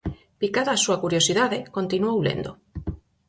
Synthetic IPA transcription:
pikaðaːsuakuɾjosiðaðekõnt̪inuawlḛnd̪o̰

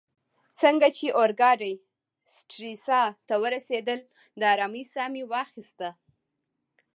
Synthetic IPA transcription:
t͡səŋɡat͡ʃeʔoɾɡɑɖaj | sʈɾisɑt̪awəɾased̪əl | d̪əɑɾɑmisɑmiwɑxist̪a

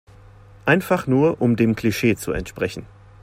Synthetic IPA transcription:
ʔaɪnfaχnuːɐʔʊmdeːmkʰl̥iʃeːt͡suɛ̰ntʃpʁ̥ɛçn̩

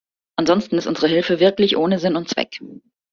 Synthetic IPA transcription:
ʔanzɔnstn̩ɪstʔʊnzəʁəɦɪlfəvɪɐklɪçʔoːnəzɪnʊntt͡sv̥ɛ̰k

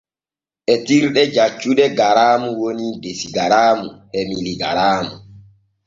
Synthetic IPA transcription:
ʔɛtiɾɗɛd͡ʒat͡ʃːuɗɛɡaɾaːmuwonidesiɡaɾaːmuhemiliɡaɾaːmu

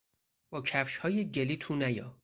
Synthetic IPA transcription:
bɒːcʰæfʃhɒːjeɟeliːt̪ʰuːnæjɒː

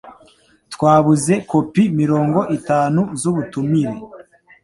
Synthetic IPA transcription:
tkwaːβuze̞ko̞pimiɾo̞ːŋɡo̞ʔitaːnuzuβutumiɾe

